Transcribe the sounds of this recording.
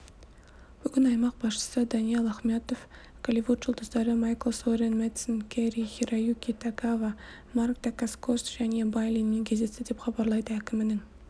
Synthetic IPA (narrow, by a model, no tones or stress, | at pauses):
b̥ʏɡʲɪnɑjmɑq̚bɑsʃə̥səd̪ɑnijelˠɑχmet̪o̞f | kʰalʲivut̪ʒʊlˠd̪əzd̪ɑɾəmɑjkəlˠsoɾenmet̪sənkʲʰæɾixʲiɾajukʲit̪ʰakava | markt̪akaskʰosʒ̥æne̞bajlʲinːeŋkʲʰe̞zd̪e̞st̪ɪd̪e̞pχɑbɑɾlˠɑjd̪əækʲɪmɪnɪŋ